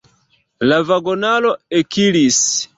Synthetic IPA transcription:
lavaɡonaloekʰilis

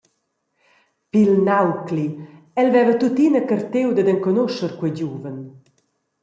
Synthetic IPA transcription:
pilnawkli | ɛlvɛvət̪ut̪inəkərt̪ewd̪əd̪əŋkɔnoʃəɾkwɛjɟuvən

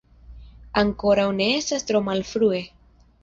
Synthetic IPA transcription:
aŋko̞ɾawne̞esast̪ɾomalfɾue̞

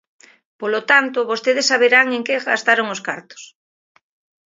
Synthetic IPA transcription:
polot̪ant̪oβost̪eð̞esːaβeɾaŋeŋkeɣa̰st̪aɾoŋoskaɾt̪o̥s

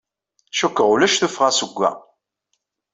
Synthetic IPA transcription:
ʃukːəʁulæʃθufʁæsəɡʷːæ̰

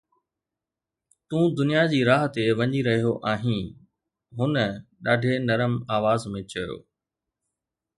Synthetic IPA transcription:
t̪ũːd̪ʊnijad͡ʑiːɾaːɦt̪eʋɐɲiɾɐɦijoʔaːɦĩ | ɦʊnəɗaːɖʱenɐɾəmaːʋaːzmẽt͡ɕɐjo̰ː

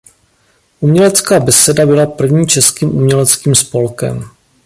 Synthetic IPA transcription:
ʔumɲɛlɛt͡skaːbɛsɛdabɪlapr̩vɲiːt͡ʃɛskiːmʔumɲɛlɛt͡skiːmspo̞lkɛ̰m

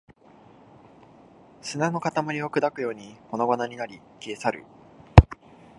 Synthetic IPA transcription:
sɨnano̞kat̪amaɾʲiokɯ̟d̪akɯ̟jo̞ːɲ̟iko̞no̞ɡonaɲ̟inaɾʲi | kʲiesaɾɯ̟̰

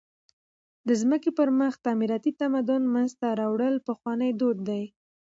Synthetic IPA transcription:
d̪əzməkepəɾməxt̪ɑmiɾɑt̪it̪amad̪ʊnmanzt̪aɾɑwɽəlpəxwɑnəjd̪od̪̚ːaj

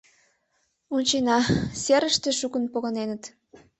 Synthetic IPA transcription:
unʲt͡ɕenɑseɾəʃt̪eʃukənpoɣənenət̪

